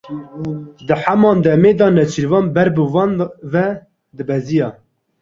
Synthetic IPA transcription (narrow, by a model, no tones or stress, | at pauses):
d̪ɨħæmɑːnd̪ɛmeːd̪ɑːnɛt͡ʃʰiɾvɑːnbɛɾbəvɑːnvɛ | d̪ɨbɛzijɑː